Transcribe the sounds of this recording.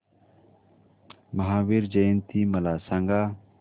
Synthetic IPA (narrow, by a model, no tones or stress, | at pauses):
mɐɦaːwiɾd͡ʒɐjnt̪imɐlaːsaŋɡaː